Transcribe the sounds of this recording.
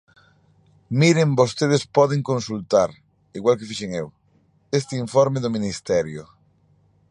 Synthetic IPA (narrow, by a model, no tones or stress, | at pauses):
miɾembost̪eð̞espɔð̞eŋkõnsult̪aɾ | iɣwalkefiʃeŋew | est̪eiɱfɔɾmeðʊmĩnist̪ɛɾjʊ